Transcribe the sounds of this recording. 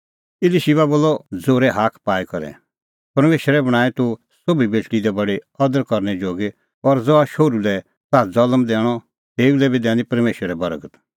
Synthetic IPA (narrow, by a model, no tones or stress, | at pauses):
ɪliʃiʋaboːlːɔd͡zoːɾɛɦaːkʰpaːikɔɾɛ̰ | pɐɾmeːʃɾɛbɐɽ̃aːɛt̪u | sobibet͡ʃʰɽid̪ɛbɐɽeɔd̪əɾkɔɾñɛd͡ʒoːɡe | ɔɾd͡zɔaʃoːɾulɛ | taːd͡zɐləmd̪ɛːɽ̃ɔ | t̪eːulɛbid̪ɛ̃ːnĩpɐɾmeːʃəɾɛbɐɾɡət̪